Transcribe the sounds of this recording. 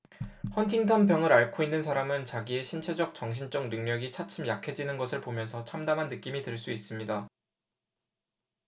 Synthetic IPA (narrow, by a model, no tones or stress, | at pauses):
hʌntʰiŋtʰʌmpjʌŋɯɾaɭkʰoinːɯns̬ʰaɾamɯnt͡ɕaɡie̞ɕʰint͡ɕʰe̞d͡ʑʌk̚t͡ɕʌŋɕʰint͡ɕ͈ʌŋ̚nɯŋmjʌɡit͡ɕʰat͡ɕʰɯmjakʰe̞d͡ʑinɯnɡʌsʰɯɭpomjʌnsʰʌt͡ɕʰamdamɦanːɯk͈imitwɯɭs͈uis͈ɯmɲida